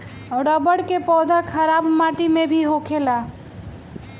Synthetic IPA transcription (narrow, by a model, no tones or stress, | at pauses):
ɔʊɽəbəɽkepɔd̪ʱəkʰəɾabmaʈimebʱiɦokʰela